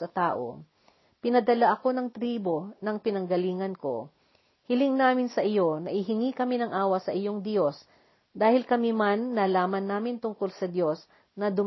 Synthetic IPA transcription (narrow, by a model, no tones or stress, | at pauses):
ɐt̪aːʔo̞̰ | pɪnɐd̪ɐlaʔɐko̞nɐŋt̪ɾiːbo̞nɐŋpɪnɐŋɡɐliːŋɐnko̞̰ | hɪlɪŋnaːmɪnsɐʔɪjo̞nɐʔɪɦɪŋikɐminɐŋʔaːwɐsɐʔɪjo̞ŋd̪jo̞s | d̪aːhɪlkɐmimanːɐlaːmɐnːaːmɪnt̪ʊŋko̞lsɐd̪jo̞s | nɐd̪ʊm